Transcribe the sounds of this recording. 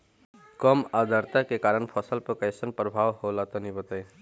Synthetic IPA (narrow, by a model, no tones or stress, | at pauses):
kəmad̪ʱəɾt̪akekaɾəɳpʰəsəlpəkəjsənpɾəbʱaʋholat̪ɔnibət̪əj